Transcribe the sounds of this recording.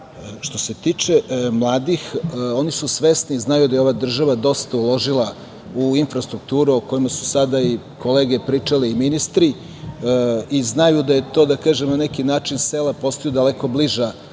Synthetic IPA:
ʃt̪o̞set̪it͡ʂemlˠaːd̪ixo̞nisusʋesniznajud̪ajeo̞ʋad̪r̩ʒaʋad̪o̞st̪aulˠo̞ʒila | uinfɾast̪ɾuk̚t̪uːɾuoko̞jimasu̥sad̪ai | ko̞leːɡepɾiːt͡ʂaliːminist̪ɾi | iznajud̪aje̞t̪o̞ːd̪akaːʒemnanekinaːt͡ʃinselapo̞st̪ojud̪aleko̞bliʒa

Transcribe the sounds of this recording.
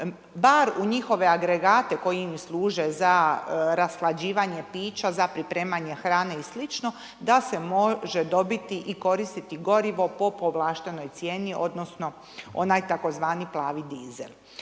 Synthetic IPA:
baɾuɲixo̞ʋe̞aɡɾe̞ɡaːt̪e̞ko̞jimslˠuːʒe̞zaɾaslˠad͡ʑiːʋaɲe̞piːt͡ʃazapɾipɾe̞ːmaɲe̞xɾaːneislit͡ʃno̞ | d̪ase̞mo̞ʒe̞d̪o̞bit̪iʔiko̞ɾist̪it̪iɡo̞ɾiʋo̞po̞po̞ʋlˠaːʃt̪e̞no̞jt̪sjeːniʔo̞̰d̪no̞sno̞ | o̞̰najt̪ako̞zʋaːniplˠaːʋid̪izḛl

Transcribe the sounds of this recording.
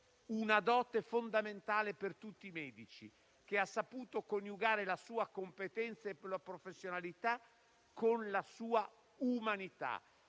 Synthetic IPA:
unad̪ɔːt̪efond̪ament̪aːlepert̪ut̪ːimɛːd̪it͡ʃḭ | k̟easːapuːt̪okonjuɡaːɾelasuːakompet̪ɛnt̪saeplapɾofesːjonalit̪a | kʰːonlasuːa | umanit̪a̰

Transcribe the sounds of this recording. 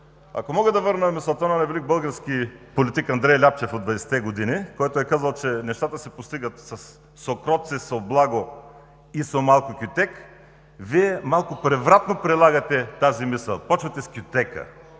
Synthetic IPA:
a̰komɔɡəd̪ɐvəɾnɐmislˠt̪anɐnajvɛlik̚bəlˠɡəɾskipolit̪ikɐnd̪ɾɛjlʲap̚t͡ʃɛfod̪vɐd̪ɛsɛ̥t̪ɛɡod̪inikɔjt̪oɛkazɐlˠt͡ʃɛnɛʃt̪at̪əsɛpost̪iɡət̪sɐsː | okɾɔt̪sɛsoblˠaɡo | isomalˠkokʲjʊt̪ɛk | viɛmalˠkʊpɾɛvɾat̪nopɾɛlˠaɡɐt̪ɛt̪azimisə̰lˠpɔt͡ʃvɐt̪ɛskʲʊt̪ɛkə̰

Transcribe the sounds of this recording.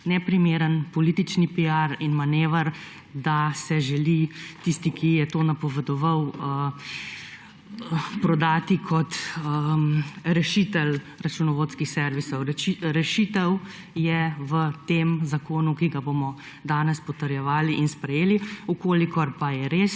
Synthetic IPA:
nɛpɾimeːɾənpɔlit̪it͡ʃnipijaɾinmaneːʋəɾ | d̪asɛʒɛlit̪ist̪ikʰijɛt̪oːnapɔʋɛd̪ɔʋawə | pɾɔd̪aːt̪ikʰɔt̪ə | ɾɛʃit̪ɛl | ɾat͡ʃunɔʋoːt̪skixsɛɾʋisɔwɾɛʃit̪ɛw | jɛʋət̪eːmzakoːnukiɡabomɔ | d̪aːnɛspɔt̪əɾjɛʋaːliʔinspɾɛjeːliukoːlikɔɾpajɛɾeːs

